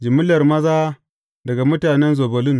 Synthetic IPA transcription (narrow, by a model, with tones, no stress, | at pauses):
d͡ʒɪ˨mɪ˦lɐ˨rmɐ˦zaː˦ | dɐ˨ɡa˨mʊ˦taː˨nɛ˦nzoː˨bɐ˨lɪ˦n